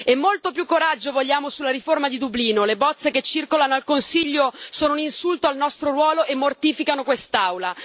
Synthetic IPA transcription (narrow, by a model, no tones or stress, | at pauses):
emːolt̪opjukːoɾad͡ʒːovoʎːaːmosulːaɾiformad̪id̪ubliːnolebɔt̪sːeket͡ʃːirkolanoalkonsiʎːosoːnouninsult̪oalnɔst̪ɾoɾwɔːloʔemːort̪iːfikanokwest̪awla